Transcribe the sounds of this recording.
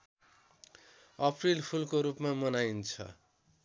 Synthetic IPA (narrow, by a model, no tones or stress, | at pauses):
ʌprilpʰulkoɾupmamʌnajnt͡sʰʌ̰